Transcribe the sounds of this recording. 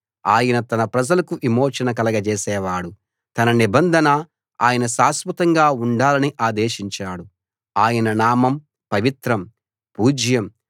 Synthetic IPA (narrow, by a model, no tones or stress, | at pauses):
aːjɐnɐt̪ɐnɐpɾɐd͡ʒɐlɐkuʔimoːt͡ʃɐnɐkɐlɐɡɐt͡ʃɛːsɛːʋaːɽu | t̪ɐnɐnibɐnd̪ʱɐnɐ | a̰ːjɐnɐʃaːsmɐt̪ɐŋɡaːuɳɖaːlɐniʔaːd̪eːʃiɲt͡ʃaːɽu | aːjɐnɐnaːmɐm | pɐʋit̪ɾɐm | puːd͡ʒjɐm